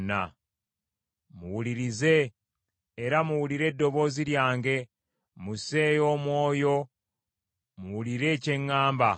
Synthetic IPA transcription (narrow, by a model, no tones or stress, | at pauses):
na̰ | muwuliɾize̞ː | ɾamuwuliɾe̞dːo̞βo̞ːziɾjaːŋɡe̞ | muse̞ːjo̞ːmwo̞ːjo̞ | muwuliɾe̞ːce̞ŋːaːmba